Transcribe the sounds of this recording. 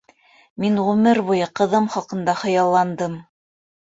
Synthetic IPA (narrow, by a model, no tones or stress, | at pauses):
minʁʉmɘɾβujɤqɤ̆ðɤmχɑqɤ̆nd̪ɑχɤ̆jɑlˠːɑnd̪ɤm